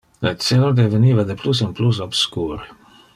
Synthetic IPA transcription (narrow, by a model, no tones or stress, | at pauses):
let͡selad̪eveniːvad̪eplus̬inplus̬obskuːɾi